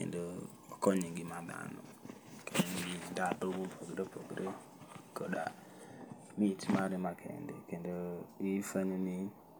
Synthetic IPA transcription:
kḛndo | koɲiŋɡimam̰a̰no̰ | keniɡidabobumpʰoɡɾepoɡɾe | koɗa̰ | mitmaɾimakʰḛndḛkendoifaɲmi

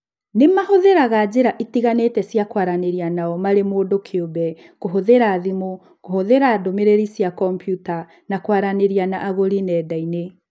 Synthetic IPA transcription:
nemahoðeɾaɣad͡ʑeɾaʔitiɣanetɛsjakwaɾaneɾianaɔmaɾemoːdokʰeobɛ | ɣoɦoðeɾaːðimo | kohoðeɾaːdomeɾeɾisjakɔmpjuta | nakwaɾaneɾianaʔaɣoɾinɛːdaine

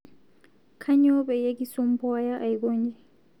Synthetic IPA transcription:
kʰaɲɔbɛjeɡisɔmpɔjaʔajɡoɲd͡ʒɛ

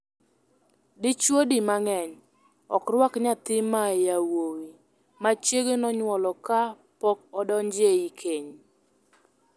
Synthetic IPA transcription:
dɪt͡ʃwodimaŋɛɲ | ɔ̰kɾwakɲat̪ɪmajawowi | mat͡ʃeɡenɔɲwɔlɔka | pɔk̚ɔdɔɲd͡ʒeikʰeɲ

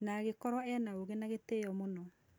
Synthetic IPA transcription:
naɣekɔɾwɔɛnaoɣenaɣetejɔmonɔ

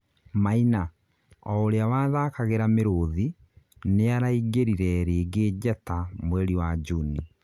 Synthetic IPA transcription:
maina | ɔoɾeawaːðakaɣeɾameɾoði | neaɾaiɡeɾiɾɛɾeːɡed͡ʑɛtamwɛɾiwad͡ʒuni

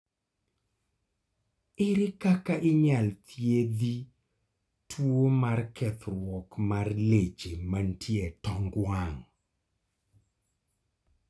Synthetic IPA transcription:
ɪɾɪkakaʔɪɲalt̪ʰjed̪i | tʰwomarkʰɛt̪ɾwɔkmarled͡ʒemantʰjetɔŋɡwaŋ

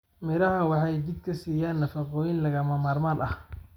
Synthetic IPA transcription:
mɪɾɐɦɐwɑħɑjd͡ʒɪd̪̚kʰɐsiːjaːnːɐfɑqɔːjɪnlɐɣɐmɐmaːrmaːnʔɐh

